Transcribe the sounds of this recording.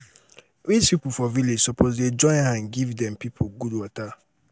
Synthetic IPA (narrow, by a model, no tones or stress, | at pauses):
wispʰipofɔviled͡ʒsɔpʰozded͡ʒɔ̃ɪ̃nãnɡivdɛ̃mpʰipʰoɡudwɔtʰa